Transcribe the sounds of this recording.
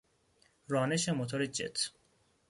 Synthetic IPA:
ɾɒːneʃemot̪ʰoɾed͡ʒḛt̪ʰ

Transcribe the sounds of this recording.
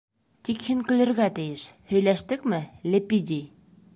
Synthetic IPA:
t̪ikhiŋkɘ̆lɘ̆ɾɣæt̪ɘ̆jɘʃhɵ̆jlæʃt̪ɘkmɘlʲĕpʲid̪ʲi

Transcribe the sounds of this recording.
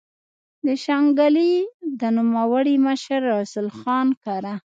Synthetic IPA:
d̪əʃaŋɡalid̪ənumawəɽiməʃəɾːɑsʊlxɑnkaɾa

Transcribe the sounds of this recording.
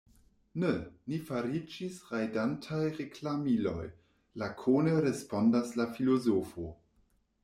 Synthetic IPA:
nenifaɾid͡ʒisʁajdantʰajʁeklamilo̞̰j | lakʰoneɾespo̞ndaslafilozofo

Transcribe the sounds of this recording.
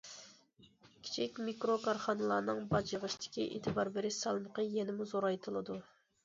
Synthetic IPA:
kʲʰi̥t͡ʃʰikʲmikɾokʰɑɾχɑnɨlˠɑɾnɨŋbɑd͡ʒəʁəʃt̪ʰɪ̥kʲiʔḛːt̪ʰɨbɑɾbɪɾɪʃsɑlˠməqəjɛnɪmuzoɾɑjt̪ʰɨlˠɨd̪u

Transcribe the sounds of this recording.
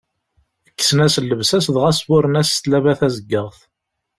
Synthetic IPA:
əkːsənæsəlːəvsæsðʁæswʊɾənæst̪lævæθæzəɡːəʁθ

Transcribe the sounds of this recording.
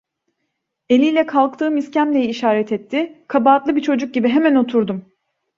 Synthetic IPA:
e̞lʲijlʲɛkʰalˠk̚t̪ʰɯːmiscæmlʲe̞jiːʃaːɾɛt̪ʰɛt̪ʰːɪkʰabaːt̪lˠɯbit͡ʃʰo̞d͡ʒuk̚ɟibiɦe̞mæno̞t̪ʰuɾd̪um

